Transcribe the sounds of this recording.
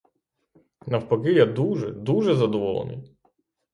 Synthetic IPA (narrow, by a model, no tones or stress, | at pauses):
nɐwpɐɣɪjad̪uʒɛ̰d̪uʒɛzɐd̪ɔʋɔlˠɔ̰nɪ̰j